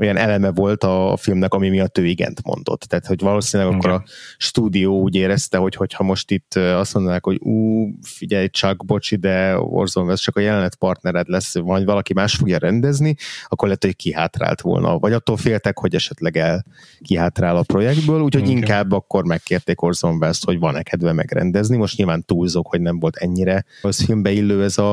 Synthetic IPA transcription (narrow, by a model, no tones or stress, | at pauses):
ojɛnʔɛlɛmɛvo̞lt̪ɒfilmnɛkɒmimiɒt̪øːiɡɛ̰nt̪mo̰nd̪o̞̰t̪ːaːt̪ho̞ɟvɒloːsinlɛɡɒkːo̞ɾɒʃt̪uːd̪ijoːuːɟeːɾɛst̪ɛɦo̞cho̞chɒmo̞ʃt̪it̪ːøɒst̪mond̪naːkhoɟuːfiɟɛjt͡ʃɒɡbo̞t͡ʃid̪ɛo̰rzonvɛst͡ʃɒkɒjɛlɛnlɛt̪pɒrt̪nɛɾɛt̪lɛsːovɒlɒkimaːʃt̪fo̞ɡjɒɾɛnd̪ɛzniɒkːorlɛːt̪ho̞kiɦa̰ːt̪ra̰ːlt̪ʋo̰ːlnɒ̰vɒɟɒt̪ːoːlfeːlt̪ɛkho̞ɟɛʃɛt̪lɛɡɛl | kiɦaːt̪raːlɒpro̞jɛɡ̚d̪bøːluːcho̞ɟiŋkaːbːɒkːo̞rmɛkːeːrt̪eːko̞rzoɱvɛsho̞ɟvɒnɛkʰɛd̪vɛmɛ̰ɡrɛ̰nd̪ɛznimoʃt̪ɲilvaːnt̪uːlzokho̞ɟnɛɱvo̞lt̪ʰɛɲːiɾɛsfilmbɛilːøːɛzɒ